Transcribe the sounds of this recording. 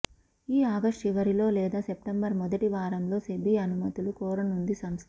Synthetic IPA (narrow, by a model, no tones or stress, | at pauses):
iːaːɡɐʂʈiʋɐɾilo̞ːlɛːd̪aːsep̚ʈɐmbɐɾmɔd̪ɐʈiʋaːɾɐmlo̞ːsebiɐnumɐt̪ulukɔːɾɐnund̪isɐmst̪